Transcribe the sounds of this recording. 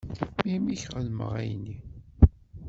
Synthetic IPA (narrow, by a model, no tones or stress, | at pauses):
mimiçʁəlmə̰ʁæ̰jnːi